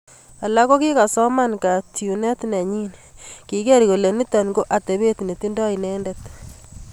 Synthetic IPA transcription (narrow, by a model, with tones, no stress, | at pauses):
a˨la˦ko˦ki˦ka˨sɔ˦ma˦nka˨tju˨ne˦tne˨ɲi˦nki˨ke˦ɾiko˨le˨ni˦ta˨nɡo˦ʔa˨te˨βe˦tne˨ti˦ndɔ˦inɛ˦nde˦t